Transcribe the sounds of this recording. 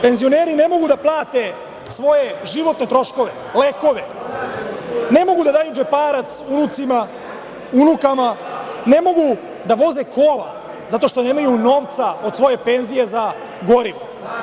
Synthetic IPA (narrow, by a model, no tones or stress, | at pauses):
pe̞nzio̞neːɾine̞mo̞ɡud̪aplˠaːt̪e̞ | sʋo̞je̞ʒiʋo̞t̪ne̞t̪ɾo̞ʃko̞ʋe̞ | leːko̞ʋe | ne̞mo̞ɡud̪ad̪aːjud͡ʒepaːɾat̪sunut̪sima | unukamane̞mo̞ɡu | d̪aʋo̞zekʰo̞ːla̰ | zat̪o̞ʃt̪o̞ne̞ːmajuno̞ːʋt̪sao̞d̪sʋo̞je̞pe̞nzije̞za | ɡo̞ɾiʋo